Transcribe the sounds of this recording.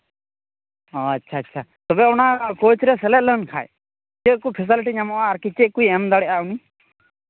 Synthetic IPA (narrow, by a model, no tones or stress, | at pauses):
ɔatːʃʰaːtːʃʰat̪ɔbɛɔnakot͡ʃɾɛsɛlɛt̪̚lənkʰa̰j | t͡ʃekupʰis̬iliʈiɲamɔʔaːɾkit͡ʃekujɛmd̪aɽɛʔauni